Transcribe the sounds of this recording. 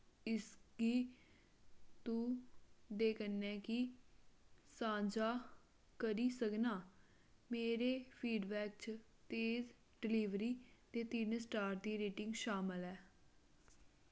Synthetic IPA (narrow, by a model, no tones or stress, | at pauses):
ɪskiː | t̪ũːd̪eːkənːɛːkɪ | sãːɲd͡ʒaː | kəɾiːsəknaː | meːɾeːpʰiːɖbɛːk̚t͡ʃ | t̪eːz | ɖɪliːʋɾiːt̪eːt̪ɪnsʈaːɾd̪iːɾeːʈɪ̃ŋɡʃaːməlɛː